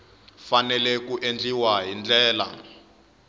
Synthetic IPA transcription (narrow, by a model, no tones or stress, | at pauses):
fanɛlɛkuʔend͡ɮiwaɦind͡ɮɛːla̰